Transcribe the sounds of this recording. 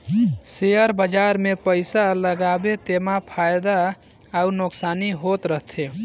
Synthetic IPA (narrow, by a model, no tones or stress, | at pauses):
sejəɾbəd͡ʒaːɾmẽpəɪsaləɡaːbet̪emapʰaːjd̪a | aunoksaːniɦot̪ɾəɦt̪ʰe